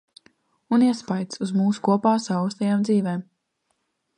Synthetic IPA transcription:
uniɛspajt̪suzmuːsu̥kuɔpaːsaust̪ɛjaːmd̪ziːveːm

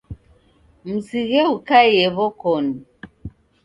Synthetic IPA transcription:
m̩siɣɛukajɛβɔkɔn

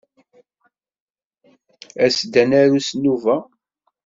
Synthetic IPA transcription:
æsd̪ænæɾusnuvæ

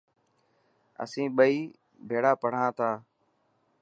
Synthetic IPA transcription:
ə̰sĩːɓəiː | bʱeːɽaːpəɽ̤ãːt̪ʰaː

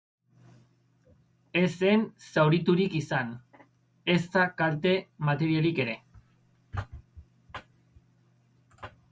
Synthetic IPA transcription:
e̞se̞nsawɾit̪uɾikisan | e̞st̪akaɾt̪e̞mat̪e̞ɾialike̞ɾe̞

